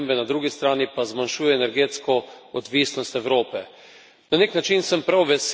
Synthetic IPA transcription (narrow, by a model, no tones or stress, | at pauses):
mbɛnad̪ɾuːɡist̪ɾaːnipazmanʃuːjɛːnɛɾɡeːt̪skɔɔd̪ʋiːsnɔst̪ɛwɾoːpɛ | naneknat͡ʃinsəmpɾawʋɛs